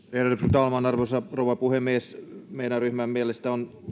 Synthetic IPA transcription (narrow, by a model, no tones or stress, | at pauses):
eræt̪yprt̪ɑlmɑnɑrʋosɑrouwʋɑpuhemiesmeinæryhmæmmiælest̪æon